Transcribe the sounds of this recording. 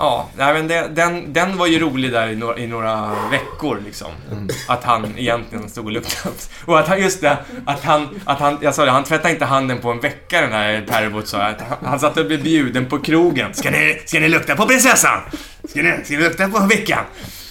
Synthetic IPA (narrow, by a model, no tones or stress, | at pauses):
ʔɑːnæɪmɛnd̪ɛd̪ɛnd̪ɛnvaɾjɵɾuːlɪɡd̪æːɾɪnoːʔɪnoːɾavɛkːʊɾlɪksɔ̰mat̪hanɛ̰jɛnt̪lɪɡənst̪uːɡɔlɵkt̪ʰaa | ɔat̪hajɵst̪̚d̪ɛat̪hanʔat̪hanjasɑːd̪ɛhant̪ʰvɛt̪ːaɾɪnt̪əɦand̪ənpʰɔɛnvɛkːaɾɛnd̪æɾpʰæɾvʊt̪sɑ̰ːat̪hahansat̪ːəɔblɪbjʉ̟ːd̪ənpʰɔkʰɾuːɡənskanɪskanɪlɵk̚t̪apɔpɾɪnsɛsːa̰n | skanɪskanɪlɵk̚t̪apʰɔvɛkːa̰n